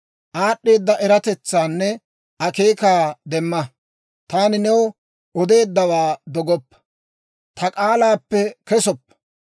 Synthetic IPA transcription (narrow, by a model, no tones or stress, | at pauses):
ʔaːɗːe̞ːd̪ːɐʔɛɾɐt̪ɛt͡sːaːnːɛ | ʔɐke̞ːkaːd̪ɛmːɐ | t̪aːnɪnɛw | ɔd̪e̞ːd̪ːɐwaːd̪ɔɡɔpːɐ̥ | t̪ɐkʼaːlaːpːɛkɛsɔpːɐ̥